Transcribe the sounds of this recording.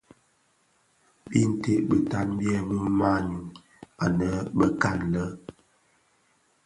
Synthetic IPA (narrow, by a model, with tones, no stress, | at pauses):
bi˦n̩˦te˦ʔbə˨ta˦nbjɛ˦bu˦ma˦˨ɲu˨ŋ | a˨nə˨˦bə˦ka˦˨nlə˦